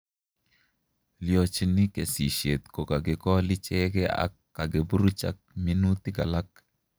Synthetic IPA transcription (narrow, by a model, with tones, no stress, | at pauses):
ljo˨t͡ʃnɪ˦ke˨si˨ʃe˨t̪ko˨ka˨ɡɪ˨kɔ˦lɪ˦t͡ʃɛ˦ɡɛ˦a̰˦kːa˨ɡe˨bu˦ɾu˦t͡ʃa̰˦k̚mi˦nu˦t̪ɪ˦ɡa̰˨la˦k